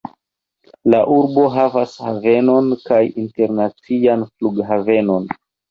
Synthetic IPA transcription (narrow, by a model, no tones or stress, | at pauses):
laʔuɾbo̞ɦavashave̞no̞nkajinte̞ɾnat͡sianfluɡɦave̞no̞n